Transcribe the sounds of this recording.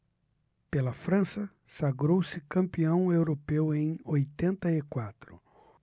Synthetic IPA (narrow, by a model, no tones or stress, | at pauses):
pelɐfɾɐ̃sɐ | saɡɾowsɪkɐ̃mpiɐ̃w̃ewɾopewẽj̃ojt̪ẽnt̪ɐɪkwat̪ɾʊ